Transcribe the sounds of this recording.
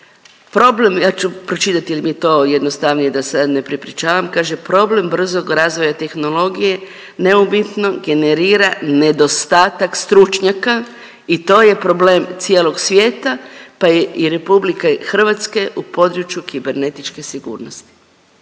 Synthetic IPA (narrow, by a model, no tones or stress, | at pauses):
pɾo̞ble̞mjaːt͡ʃupɾo̞t͡ʃit̪at̪iilimit̪o̞jed̪nost̪aʋnijed̪asad̪ne̞pɾipɾʲit͡ʃaːʋamkaːʒepɾo̞ble̞mbr̩zo̞ɡɾaːzʋo̞jat̪e̞xno̞lo̞ɡije̞ | ne̞ubit̪no̞ɡe̞ne̞ɾiːɾane̞d̪o̞st̪aːt̪akst̪ɾut͡ʃɲaka | it̪o̞ːje̞pɾo̞ble̞ːmt̪sijeːlo̞ɡsʋjeːt̪apaeiɾe̞publikexr̩ʋat̪ske̞ʔupo̞d̪ɾut͡ʃjukibe̞ɾne̞t̪it͡ʃke̞siɡṵːɾnost̪i̥